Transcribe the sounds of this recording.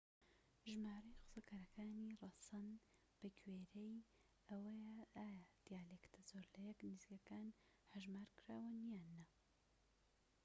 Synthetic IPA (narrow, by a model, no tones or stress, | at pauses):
ʒmaːɾɐjxʊ̥sɐkʰaɾɐkʰaːnirˤɐsɐn | b̥ɐkʰweːɾej | ɐwɐjɐaːjad̪̥ijaːlekt̪ʰɐzoɾlɐjɛkniziːkɐkaːn | hɐʒmaːɾkʰɾaːwɐnijaːnːɐ